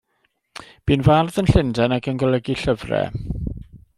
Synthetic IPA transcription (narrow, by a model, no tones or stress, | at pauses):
b̥iːnvarðənɬɪndɛnaɡənɡɔlˠɛɡiɬəvrɛ̰